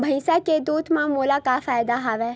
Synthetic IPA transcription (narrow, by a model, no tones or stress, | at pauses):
bʱəɪ̃saked̪uːt̪mãːmoːlaːkafaːjd̪aːɦaːʋɛː